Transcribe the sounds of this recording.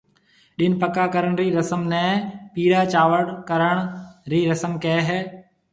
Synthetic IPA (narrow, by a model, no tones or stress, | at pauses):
ɗɪnpəkaːkəɾəɳ̃ɾiːɾəsəmnɛ̃ːpiːɾaːt͡ʃaːʋəɽkəɾəɽ̃ɾiːɾəsəmkɛːɦɛː